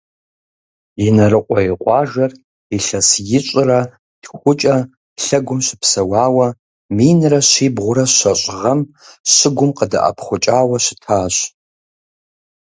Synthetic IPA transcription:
inɐrɨqʷʼɔɪqʷʼɑːʒɐr | iɬɐsjɪt͡ʃʷʼɪrɐ | d̥xʷʊt͡ʃʼɐ | ɬɐɡʷʊmɕʷɪpʰsɐwɑːwɐ | minrɐɕʷiːbʁʷʊɾɐɕʷɐɕʼʁɐm | ɕɪɡʷʊmqəda̰ʔɐ̰pʰχʷʊt͡ʃʼaːwɐʃɪ̥tʰaːɕ

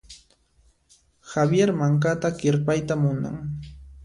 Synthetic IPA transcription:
xabjeɾmaŋkat̪akɪɾpajt̪amʊna̰ŋ

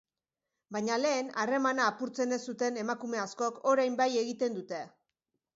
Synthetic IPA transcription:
bajɲale̞ːnare̞manaːpuɾt͡se̞ne̞sut̪e̞ne̞makume̞asko̞ko̞ɾajmbaje̞ɣit̪e̞nd̪ut̪e̞

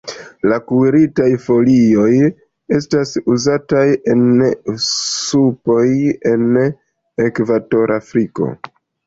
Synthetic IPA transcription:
lakuɾitajfo̞lio̞j | e̞stasuzataje̞n | supo̞je̞n | ekvato̞ɾafɾiko̞̰

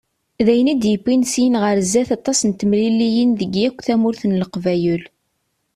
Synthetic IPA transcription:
ðæjənid̪jəpːinsijənʁəɾzːæθɑt̪ˤːɑsnt̪əmlilijənðəɡjækʷːθæmʊɾθənləqvæjul

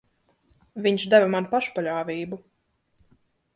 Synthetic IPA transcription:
vʲiɲʃd̪avɨmanpaʃpalʲaːvʲiːbu

